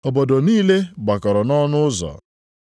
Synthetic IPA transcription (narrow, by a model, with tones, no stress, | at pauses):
ɔ˨bo˨do˨niː˦le˦ɡ͡ba˨kɔ˨ɾɔ˨nɔ˦nʊ˦ʊ˦zɔ̰˨